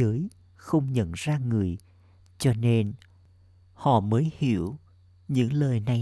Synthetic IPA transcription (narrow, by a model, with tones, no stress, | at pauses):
əː˨˦j | xə˧wŋ͡mɲə̰˧˨nzaː˧ŋɨ˨˩əj | t͡ɕɔ˧ne˧n | hɔ̰˧˨məː˨˦jhḭ˧˩əw | ɲɨ̰˧˥ŋləː˨˩jna˨˩